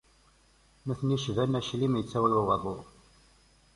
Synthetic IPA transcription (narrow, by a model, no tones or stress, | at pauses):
næθniʃvænæʃlimjət͡sːæwiwiwɑðˤo